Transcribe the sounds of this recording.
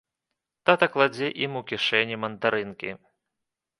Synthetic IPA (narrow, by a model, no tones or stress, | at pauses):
t̪at̪ɐklˠad͡zʲɛʔimukʲiʂɛnʲimɐnt̪aɾɨnkʲḭ